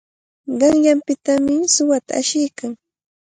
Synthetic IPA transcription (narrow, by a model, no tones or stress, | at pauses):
ɢɑŋjampɪt̪amɪsʊwat̪a̰aʃɪjkaŋ